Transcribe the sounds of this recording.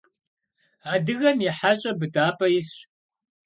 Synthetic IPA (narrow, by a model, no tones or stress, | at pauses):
aːdɨɣɐmjɛħaɕʼɐbɨtʰʼaːpʼɐjɪsɕ